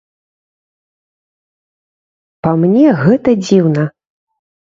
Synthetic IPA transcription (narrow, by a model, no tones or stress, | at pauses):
pɐmnʲɛɣɛt̪ɐd͡zʲiwnɐ